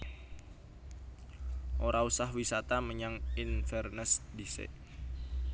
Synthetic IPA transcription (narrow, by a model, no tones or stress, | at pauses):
ʔoɾausaɦwisat̪aməɲaŋinfərnəsdisḛʔ